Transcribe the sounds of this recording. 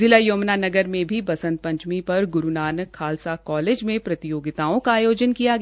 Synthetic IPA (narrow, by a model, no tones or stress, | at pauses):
zɪlajoːmnanɐɡəɾmẽbʱibɐsə̃nt̪̚pɐ̃ɲt͡ʃmipɐɾɡʊɾunaːnkʰaːlsakɔːleːd͡ʒmẽpɾɐt̪ɪjoːɡɪt̪aːõkaːjoːd͡ʒənkijaɡ